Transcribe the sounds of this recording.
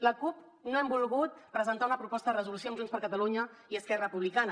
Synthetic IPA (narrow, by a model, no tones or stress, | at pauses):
ləkup | noɛmbulˠɣut̪̚pɾəzənt̪aunəpɾupɔst̪əðərəzulusiomʒunspəɾkət̪əluɲəiəskɛrəəpuβlikanə